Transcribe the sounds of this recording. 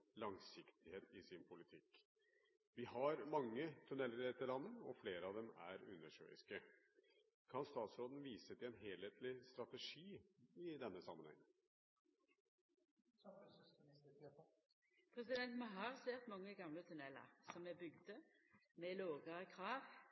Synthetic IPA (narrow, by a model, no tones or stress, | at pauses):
lɑŋsɪkt̪ɪheːt̪ɪsɪnpʰʊlɪt̪ʰɪkː | ʋɪhɑɾmɑŋːət̪ʰʉnɛlːəɾɛt̪ːəɭlɑnːəɔfleːɾəɑʋd̪ɛmæ̰ɾʉnːəʂø̰ːɪ̰skə | kʰɑnst̪ɑːt̪sɾoːd̪n̩ʋiːsət̪ʰɪɛnɦeːlheːt̪ʰlɪst̪ɾɑt̪əʂiːɪd̪ɛnːəsɑmːənhɛ̰ŋː | pʰʁɛsɪd̪ɛnt̪mɑɦɑʁseːʁt̪mɑŋːəɡɑmlət̪ʰʉnɛlːə̰ʁsɔmɛbʏɡd̪əmeːloːɡəʁəkʰʁɑːʋ